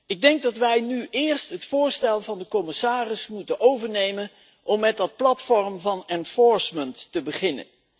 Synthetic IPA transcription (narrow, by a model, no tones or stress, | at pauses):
ɪɡ̚dɛŋɡ̚dɑtʋɛjnyʔɪːɹstɦətfʊːɹstɛlˠvɑndəkɔmɪsaːrɪsmutənʔowvəɹnejmən | ʔɔmːɛt̚dɑt̚plɑtfɔrəmvɑnɛnfɔɹsməntːəbəχɪnə̰n